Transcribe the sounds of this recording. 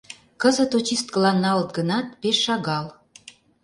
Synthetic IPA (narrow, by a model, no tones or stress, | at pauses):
kəzə̆t̪ot͡ɕist̪̚kəlɑnːɑlət̪̚ɡənɑt̪̚peʃːɑɣɑl